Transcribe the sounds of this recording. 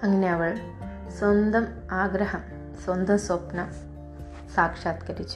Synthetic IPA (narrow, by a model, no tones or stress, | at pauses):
ɐŋːɐneɐʋɐɭ | swɐnd̪ɐm | aːɡɾɐɦɐm | swɐnd̪ʱɐmsopnɐ | saːkʂaːt̪kɐɾit͡ɕː